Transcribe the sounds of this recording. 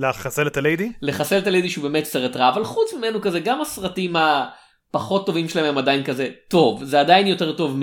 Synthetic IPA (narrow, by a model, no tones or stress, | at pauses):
leχaselet̪alejdileχaseletalejdiʃubemetseʁetʁaːvalχut͡smimenukazeɡamasʁatima | paχo̞tːo̞vimʃelaememadajinkaze̞to̞vzeadajinjo̞te̞ʁto̞vm